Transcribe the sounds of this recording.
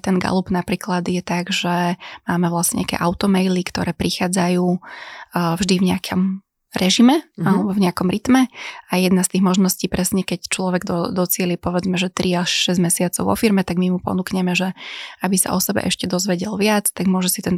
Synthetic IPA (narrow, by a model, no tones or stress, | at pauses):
t̪ɛnɡa̰lubnapɾiːklad̪jɛt̪aɡʒɛmaːmɛʋlasɲɛ̰ɲakɛ̰ːʔaʊt̪ɔmɛjlikt̪ɔɾɛːpɾixaːd͡zajuː | vʒd̪ivɲɛakʰɔm | ɾɛʒimɛalɛbɔvɲɛakɔmɾit̪mɛajɛd̪nast̪iːɣmɔʒnɔsciːpɾɛsɲɛkɛct͡ʃlɔʋɛɡd̪ɔd̪ɔt͡sɪɛlipɔʋɛd͡zmɛʒɛt̪ɾiaʃʃɛzɟmɛsɪat͡sɔʊʋɔ̰fiɾmɛt̪aɡmimupɔ̰nukɲɛmɛʒɛabisa̰ʔɔsɛbɛ̰ʔɛʃcɛd̪ɔzʋɛɟɛlʋɪat͡st̪aɡmʊɔʒɛsit̪ɛn